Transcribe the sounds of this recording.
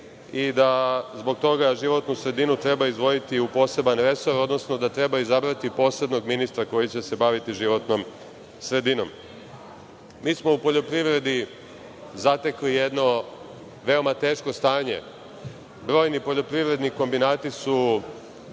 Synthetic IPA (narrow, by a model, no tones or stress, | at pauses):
id̪azbo̞ɡ̚t̪o̞ɡaʒiʋo̞t̪nusɾe̞d̪inut̪ɾe̞baizd̪ʋo̞jit̪iupo̞ːse̞banɾe̞so̞ɾo̞d̪no̞sno̞d̪at̪ɾe̞baizabɾat̪ipo̞se̞d̪no̞ɡminist̪ɾako̞jit͡ɕe̞se̞baʋit̪iʒiʋo̞t̪no̞m | sɾe̞d̪ino̞̰m | iːsmo̞upo̞ʎo̞pɾiʋɾe̞d̪i | zat̪eklije̞d̪no̞ | ʋe̞o̞mat̪e̞ːʃko̞st̪aːɲe̞̰ | bɾo̞ːjnipo̞ʎo̞pɾiʋɾe̞d̪niko̞mbinaːt̪isu